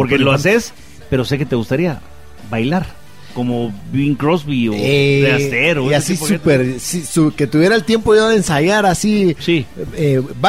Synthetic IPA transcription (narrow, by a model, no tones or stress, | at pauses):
po̞ɾkeloases | pe̞ɾo̞sek̬e̞t̪e̞ɣust̪aɾia | βajlaɾ | ko̞mobiŋkɾozβioeðeat̪eɾoasiosupeɾsisuke̞t̪uβje̞ɾaelt̪je̞mpoðiðoðensaʝaɾasisieba